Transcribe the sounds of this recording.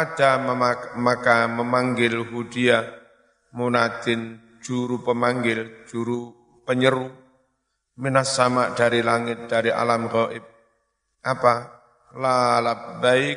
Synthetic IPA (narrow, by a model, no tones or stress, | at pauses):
ad̥amakaməmaŋɡɪlhud̥ia | munad̪̥ɪn̥ | d͡ʒ̥uɾupəmaŋɡɪld͡ʒ̥uɾu | pəɲəɾu | minasamaʔd̪̥aɾilaŋɪt̪̚d̪̥aɾiʔa̰lamrɔʔɪp̚ | ʔapa | lalabaɪk̚